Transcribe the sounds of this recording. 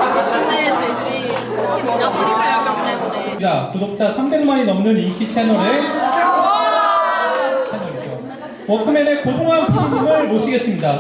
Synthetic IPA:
ae | i | akudok̚t͡ɕ͈asʰambenmaɲinʌmnɯnikʰit͡ɕʰenʌɾesʰut͡ɕ͈ʰeɭk͈o | t͡ɕʰenʌɾid͡ʑo | wʌkʰɯmenekodoŋɦanpʰuɾɡɯmɯɭmoɕ͈ʰiɡe̞s͈ɯmɲida

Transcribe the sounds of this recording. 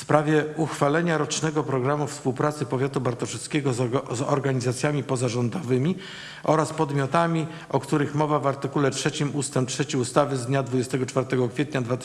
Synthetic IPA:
fspɾavʲjɛuxfalɛɲaɾɔt͡ʂnɛɡɔpɾɔɡɾamufspuwpɾat̪sɘpɔvʲjat̪ubaɾt̪ɔʂɛt̪skʲeɛɡɔzzɔ̰ɾɡaɲizat̪sʲjamʲipɔzaʐɔnd̪ɔvɘmʲi | ʔɔɾaspɔd̪mʲjɔt̪amʲi | ɔkt̪uɾɘxmɔvavaɾt̪ɘkulɛtʂɛt͡ɕimust̪ɛmptʂɛt͡ɕiust̪avɘzd̪ɲad̪vud͡ʑɛst̪ɛɡɔt͡ʂfaɾt̪ɛɡɔkfʲɛt̪ɲad̪vat̪

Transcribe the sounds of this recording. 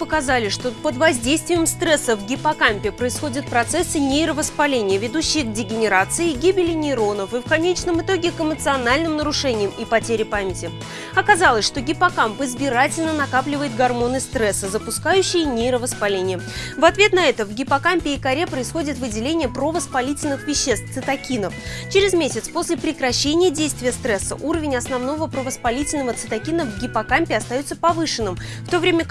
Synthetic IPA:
pəkɐzalʲɪʂt̪o̞pəd̪vɐzʲdʲejst̪vʲɪjəmst̪ɾɛsːəvɡʲɪpɐkampʲɪpɾəɪsxo̞dʲɪt̪̚pɾɐt̪sɛsɨnʲejɾəvəspɐlʲenʲɪjəvʲɪd̪uɕːɪjəɡ̚dʲɪɡʲɪnʲɪɾat̪sɨɪɡʲibʲɪlʲɪnʲɪːɾo̞nəfɨfkɐnʲet͡ɕnəmɨt̪o̞ɡʲɪkɨmət̪sɨɐnalʲnɨmnəɾʊʂɛnʲɪjəmipɐtʲeɾʲɪpamʲɪtʲɪ | ɐkɐzalˠəsʲʂt̪o̞ɡʲɪpɐkampɨzbʲɪɾatʲɪlʲnənɐkaplʲɪvəjɪt̪̚ɡɐrmo̞nɨst̪ɾɛsːəzəpʊskajʉɕːɪjənʲejɾəvəspɐlʲenʲɪjəvɐt̪vʲe̞t̪nɐɛt̪əvɡʲɪpɐkampʲɪːkɐɾʲe̞pɾəɪsxo̞dʲɪt̪vɨdʲɪlʲenʲɪjəpɾovəspɐlʲitʲɪlʲnɨxvʲɪɕːe̞st̪sɨt̪ɐkʲinəf | t͡ɕɪɾʲɪzmʲesʲɪt̪spo̞sʲlʲɪpɾʲɪkɾɐɕːenʲɪjədʲejst̪vʲɪjəst̪ɾɛsːə̰ʔuɾəvʲɪnʲɐsnɐvno̞vəpɾəvəspɐlʲitʲɪlʲnəvət̪sɨt̪ɐkʲinəvɡʲɪpɐkampʲɪɐst̪ɐjot̪səpɐvɨʂɨnːɨm | ft̪o̞vɾʲemʲə

